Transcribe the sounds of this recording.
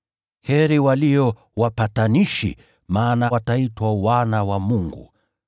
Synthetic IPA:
hɛɾiwalijɔ | wapataniʃḭ | maːnawataitwawanawamuŋɡṵ

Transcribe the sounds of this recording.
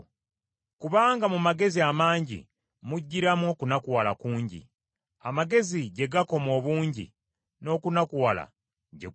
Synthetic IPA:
kuβaːŋɡamumaɡe̞ziamaːɲɟḭ | muɟːiɾamwo̞kunakuwalakuːɲɟḭ | amaɡe̞ziɟe̞ɡako̞mo̞ːβuːɲɟḭ | no̞ːkunakuwala̰ | ɟḛ

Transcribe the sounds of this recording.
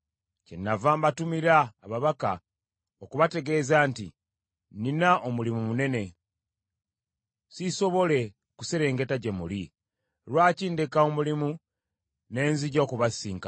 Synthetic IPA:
cenːavaːmbatumiɾaːβaβaka | okuβate̞ɡe̞ːzaːntḭ | ninaʔomulimumune̞ne̞ | siso̞βo̞le̞ | kuseɾe̞ːŋɡe̞taɟe̞muli | ɾwaːciːndekaomulimu | ne̞ːnziɟaokuβasiːŋka

